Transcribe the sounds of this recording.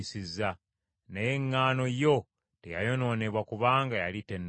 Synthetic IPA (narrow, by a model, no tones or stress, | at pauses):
sizːa | nejeŋːaːno̞jo̞ | teja̰jo̞no̞ːne̞βwakuβaːŋɡajalite̞nː